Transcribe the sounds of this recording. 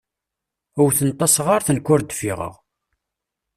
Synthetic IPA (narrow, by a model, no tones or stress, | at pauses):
ʊɾθənt̪ˤːɑsʁaɾθənkːʊɾd̪fḭʁə̰ʁ